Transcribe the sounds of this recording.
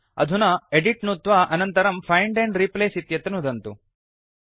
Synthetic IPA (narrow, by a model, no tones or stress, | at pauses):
ɐ̰d̪ʱunɐeɖiʈnut̪ʋaʔɐnɐnt̪ɐɾɐmpʰɐjɳɖeɳɖɾipleːsit̪jɐt̪ɐnud̪ɐnt̪u